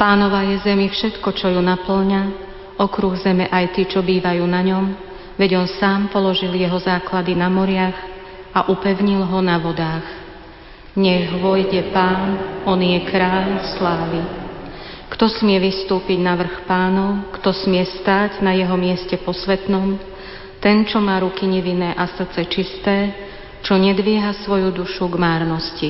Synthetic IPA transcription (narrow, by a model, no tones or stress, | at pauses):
paːnɔʋajɛzɛmifʃɛt̪kɔt͡ʃɔjunapl̩ɲa | ɔkɾuɣzɛmɛʔajt̪iːt͡ʃɔbiːʋajuːnaɲɔm | ʋɛɟɔnsaːmpɔlɔʒiljɛɦɔzaːklad̪inamɔɾɪaɣ | ʔaʔupɛʊɲilɦɔnaʋɔd̪aːɣ | ɲɛɣʋɔjɟɛpaːnʔɔnjɛkɾaːʎslaːʋi | kt̪ɔsmɪɛʋist̪uːpiɟnaʋr̩xpaːnɔʊkt̪ɔsmɪɛst̪aːɟnajɛɦɔmɪɛscɛpɔsʋɛt̪nɔm | t̪ɛnt͡ʃɔmaːɾukiɲɛʋinɛːʔasr̩t͡sɛt͡ʃist̪ɛː | t͡ʃɔɲɛd̪ʋɪɛɦasʋɔjud̪uʃuɡmaːɾnɔsci